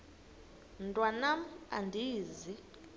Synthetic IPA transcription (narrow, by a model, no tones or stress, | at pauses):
ntʼwanam̩a̰ndʱiːzi